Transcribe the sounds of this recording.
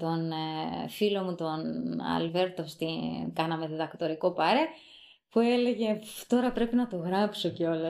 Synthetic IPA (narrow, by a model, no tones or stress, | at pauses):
t̪o̞nfilo̞mut̪o̞nɐ̰lve̞ɾt̪o̞st̪ikɐnɐme̞ðiðɐkt̪o̞ɾiko̞pɐɾe | pue̞le̞ʝe̞t̪o̞ɾɐpɾe̞pinɐt̪o̞ɣɾɐpso̞ceo̞lɐ